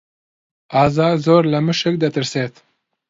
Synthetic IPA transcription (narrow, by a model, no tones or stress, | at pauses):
ɑːzɑːɡzoːɾlɐmɨʃɨk̚d̪ɐt̪ɨɾseːt̪